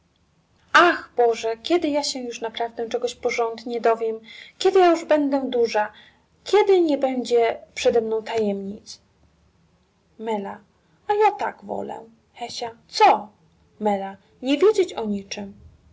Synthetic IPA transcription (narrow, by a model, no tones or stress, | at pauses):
ʔaxbɔʐɛkʲɛd̪ɘjaɕɛjuʂnapɾavd̪ɛʈ͡ʂɛɡɔɕpɔʐɔnd̪ɲɛd̪ɔvʲjɛmkʲɛd̪ɘjajuʐbɛnd̪ɛd̪uʐa | kʲɛd̪ɘɲɛbɛɲd͡ʑɛpʂɛd̪ɛmnɔ̃w̃t̪ajɛmɲit̪s | mɛla | ajat̪a̰ɡvɔ̰lɛ̰ | xɛɕat̪sɔ | mɛla | ɲɛvʲjed͡ʑet͡ɕɔɲit͡ʂɘm